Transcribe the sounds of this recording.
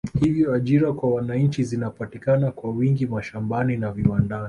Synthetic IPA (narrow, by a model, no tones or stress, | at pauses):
hivjɔaʄiɾakwawanaɲ̩t͡ʃizinapatikanakwawiŋɡimaʃambaninaviwandani